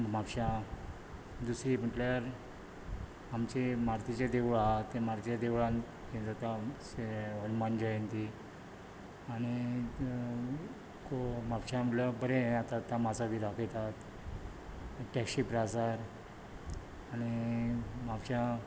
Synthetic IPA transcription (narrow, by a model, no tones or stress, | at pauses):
mapɕã | d̪usɾibəʈljaɾ | amt͡ɕemaɾt̪it͡ɕed̪eʋɭat̪ːẽmaɾt̪it͡ɕad̪eʋɭãn | ed͡zat̪aseənmand͡ʑaent̪i | aɽ̃i | komapɕamləbəɾẽat̪at̪ːãmasad̪ʱiːd̪akʰet̪at̪ | ʈɛkɕipɾasaɾ | añi | mapɕa